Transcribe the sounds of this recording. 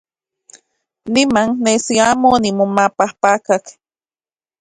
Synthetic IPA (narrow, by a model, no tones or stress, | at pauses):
nimaŋnesiamonimumapahpakak